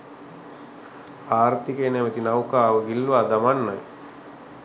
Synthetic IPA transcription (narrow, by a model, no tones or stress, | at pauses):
aːrt̪ikeːnɛmət̪inawkaːʋəɡilːʋaːd̪amanːa̰j